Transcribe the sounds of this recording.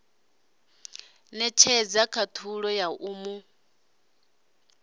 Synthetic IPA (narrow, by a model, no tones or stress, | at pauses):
nɛt͡ʃʰɛd͡zakʰat̪ʰuɺɔjaʔumu